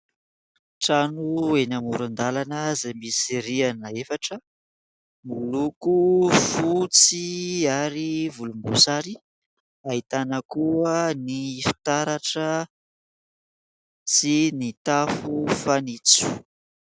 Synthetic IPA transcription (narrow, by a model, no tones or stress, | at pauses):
ʈ͡ʂanuenamuɾand̪alanəzamisiɾianəefaʈ͡ʂə | mulukufut͡siaɾivulumbusaɾi | aɦit̪anəkuənifi̥t̪aɾaʈ͡ʂə | sinit̪afufanit͡su̥